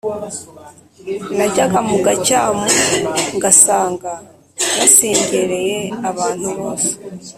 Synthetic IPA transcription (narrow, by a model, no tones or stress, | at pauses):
naɟaɡamuɡacaːmuŋɡasaːŋɡa | jaseːɲɟeɾe̞je̞aβaːn̥huβoːse̥